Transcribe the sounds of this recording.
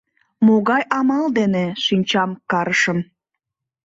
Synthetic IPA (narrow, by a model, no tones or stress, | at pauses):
moɣɑjʔɑmɑld̪eneʃynʲt͡ɕɑmkɑɾəʃəm